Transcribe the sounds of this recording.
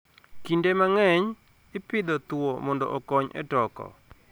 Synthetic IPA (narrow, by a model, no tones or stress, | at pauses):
kindemaŋɛɲ | ɪpɪd̪ɔt̪wwomɔndɔ̰ʔɔkɔɲʔɛ̰tɔkɔ̰